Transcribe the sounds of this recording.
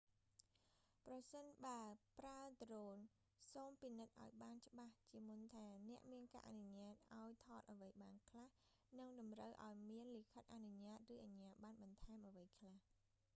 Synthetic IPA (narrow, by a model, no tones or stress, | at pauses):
prɑsənɓaəpraət̪roːn | soːmpinɨt̪̚ʔa̰ɔjɓaːnt͡ɕə̆ɓaht͡ɕiəmunt̪ʰaːnɛ̆əʔmiənka̰ːʔa̰nuɲaːt̪̚ʔaɔjt̪ʰɑːt̪̚ʔəəʋəjɓaːnkʰlah | nɨŋɗɑmrəwʔa̰ɔjmiənlikʰət̪̚ʔanuɲaːt̪̚rɨːʔaɲaːɓaːnɓɑnt̪ʰaɛmʔəʋəjkʰlah